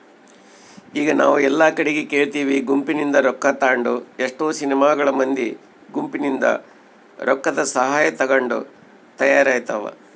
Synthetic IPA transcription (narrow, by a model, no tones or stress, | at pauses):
iːɡɐna̰ːʋuɛlːaːkɐɽeɡeke̞ːɭt̪iːʋiɡumpinind̪ɐɾɔkːɐt̪aːɳɖueʂʈoːsinɛmaːɡɐɭɐmɐnd̪i | ɡumpinind̪ɐ̰ | ɾɔkːɐd̪ɐsɐɦaːjɐt̪ɐɡɐɳɖṵ | t̪ɐjaːɾaːjt̪ɐːʋɐ̰